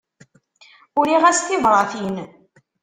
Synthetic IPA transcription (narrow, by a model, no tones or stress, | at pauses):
ʊɾiʁæsθɪðˤɾˤɑθin